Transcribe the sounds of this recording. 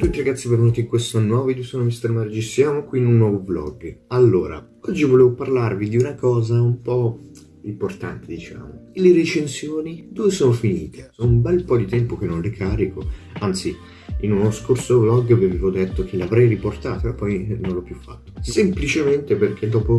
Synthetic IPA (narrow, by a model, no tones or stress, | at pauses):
t̪ut̪iɾaɡat̪sːivavanuːt̪iŋkwest̪onwɔːvid̪uesoːnomist̪ɾemaɾed͡ʒisjaːmokwiːnunːwɔvoblɔ̰ɡalːoːɾa̰ | ɔd͡ʒːivoleːvoparlarvid̪iunakɔːzaumpɔ | import̪a̰nt̪ed̪it͡ʃa̰ːmo̰leɾet͡ʃensjoːnid̪uesoːnofiniːt̪ʰesonumbɛlpɔd̪it̪ɛmpokenːõnlekʰaːɾikoant̪si | inunoskorsoblɔɡvevevod̪et̪ːok̟elavɾɛjriport̪a̰ːt̪oapːɔjnõnlɔpːjufːa̰t̪ːo̥semplit͡ʃement̪eperk̟ʰed̪ɔːpo